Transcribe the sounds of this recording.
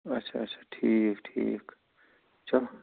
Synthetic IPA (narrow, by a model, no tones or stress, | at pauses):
ɐtt͡ʃʰa̰ɐtt͡ʃʰḁʈʰikʈʰḭk | t͡ʃʰɐl